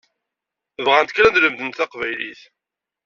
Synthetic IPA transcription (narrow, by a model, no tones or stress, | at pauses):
vʁænt̪ə̥klænd̪ləmðənɑqvæjliθ